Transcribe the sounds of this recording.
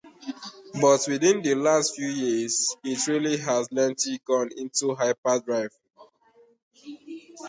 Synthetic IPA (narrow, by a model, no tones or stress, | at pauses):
bɔtwiðĩndəlastfjujiz̥itɹiliɦazlɛ̃ntiɡɔ̃nĩntuɦaɪpadɹaɪv